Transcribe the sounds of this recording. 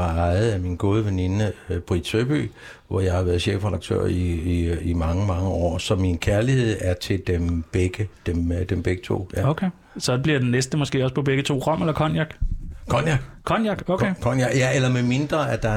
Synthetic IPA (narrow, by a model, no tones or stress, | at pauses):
ɑ̈ɪð̩ˠæminɡ̥o̝ːð̞ˠəʋenenəb̥ʁi̥søb̥y̰ː | ʋɒjɑ̈ɪhɑ̈ʋæːɐðˠɕḛːfʁɛd̥ɑ̈ɡ̥̚t͡sʰø̰ːɐ̰iiimɑ̈ŋəmɑ̈ŋəɒ̰ːsɒ̽minkʰæɐlihe̝ð̞̰ˠæɐt͡sʰe̝ld̥emb̥eɡ̥əd̥emd̥emb̥eɡ̥ət͡sʰo̝̰ːokʰe | sɒ̽b̥liɐd̥ennesd̥əmɒ̽sɡ̥e̝̰ːɒ̽s̬pʰɒ̽b̥eɡ̥ət͡sʰo̝̰ːʁɒ̽m̰elɐkʰɒnjɑ̈ɡ̥kʰɒ̽njɑɡ̥kʰɒ̽njɑ̈ɡ̥oekʰɒ̽njɑ̈ɡ̥jæelɐmeme̝nd̥ʁɐæd̥ɑ̈